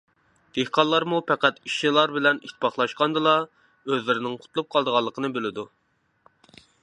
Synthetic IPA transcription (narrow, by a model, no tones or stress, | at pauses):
d̪̥ehqʰɑlˠːɑɾmupʰæqæt̪iʃnilˠɑɾbɪlɛnit̪ʰːpʰɑχlˠɑʃqɑnd̪ɨlˠɑ | øzlɪɾɪnɪŋqʰʊ̥t̪lˠup̚qʰɑlˠd̪əʁɑlˠːəqʰənɨbelɪd̪u